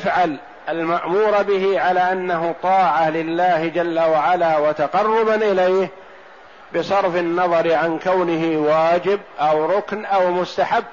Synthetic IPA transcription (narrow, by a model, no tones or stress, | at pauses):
fʕal | almaʔmuːɾˤbɪɦiʕalaːʔanːaɦʊt̪ˤɑːʕalɪlːaːhd͡ʒalːawaʕalaːwat̪aqɑrˤːʊbanʔɪlajh | bɪsɑɾˤfɪnːɑðˤɑɾʕankawnɪɦɪwaːd͡ʒɪbʔawɾˤʊknʔawmʊst̪aħabː